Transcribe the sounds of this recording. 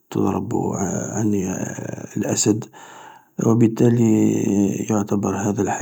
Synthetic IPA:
t̪ə̰d̪ˤɾˤɑ̰b̰ʕan | lʔæsəd̪ | wəbət̪ːæli | jʊʕt̪æbɑɾˤhæd̪ælħa

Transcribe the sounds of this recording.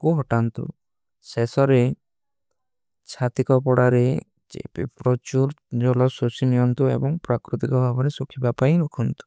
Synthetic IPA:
kuɦɔʈant̪ṵ | sesɔɾe | t͡ʃʰat̪ikɔpɔɽaɾe | d͡ʒḛpḭpɾɔt͡ʃuɾd͡ʒɔlɔsosinijɔnt̪uḛbɔŋpɾakɾut̪ikɔbʱabɔɾesukʰibapainukʰɔnt̪u̥

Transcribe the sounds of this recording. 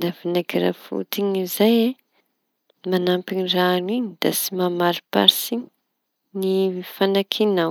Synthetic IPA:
avinaɡiɾa̰fṵt̪iɲizaje | manampiɲiraniɲid̪̥asimamaɾipa̰ɾsiɲi | nifanakʰina

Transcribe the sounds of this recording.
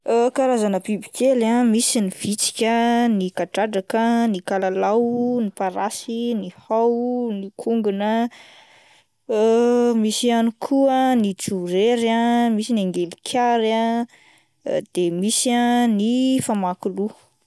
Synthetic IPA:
əkaɾazanəbibikelamisiniv̥it͡si̥kʲənikaʈ͡ʂaɖ͡ʐakənikalalawnipaɾasinihawnikʰuŋɡunə | misianikʰuənit͡suɾeɾamisinaŋɡelikʰʲaɾa | d̪̥emisiãnifamakulu

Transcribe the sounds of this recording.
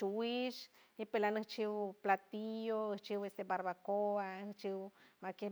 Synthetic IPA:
uwiʃipelanɨht͡ʃiwplat̪ijoɨht͡ʃiwesebaɾβakoaht͡ʃiwmake

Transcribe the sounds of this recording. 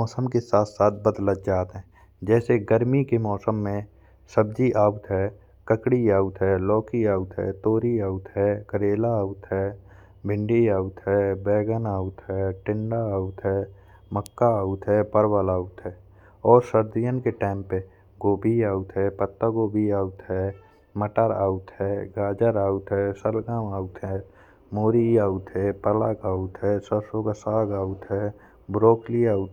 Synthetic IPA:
ɔːsəmkesaːt̪ʰsaːt̪̚ʰbəd̪lət̪d͡ʒaːt̪ɦɛ̃ː | d͡ʒɛːseɡəɾmikemɔːsəmːẽ | səb̚d͡ʒiʔaːut̪ɦɛː | kəkɽiaːut̪ɦɛːlɔːkiaːut̪ɦɛ̰ːt̪oːɾiaːʊt̪ɦɛːkəɾeːlaaːʊt̪ɦɛː | bʱɪ̃ɳɖiaːut̪ɦɛːbɛːɡənaːʊt̪ɦɛːʈɪ̃ɳɖaaːʊt̪ɦɛː | məkːaaːʊt̪ɦɛpəɾwəlaːut̪ɦɛː | ɔːɾsəɾd̪ijənkeʈãːɪmpe | ɡoːbʱiaːut̪ɦɛpət̪ːəɡoːbʱiaːut̪ɦɛ | məʈəɾa̰ːut̪ɦɛɡaːd͡ʒəɾaːut̪ɦɛsəlɡaːmaːut̪ɦɛː | moːɾiaːʊt̪ɦɛpəlaːkaːʊt̪ɦɛsəbsoːɡasaːɡaːut̪ɦɛ | bɾoːkliaːʊt̪

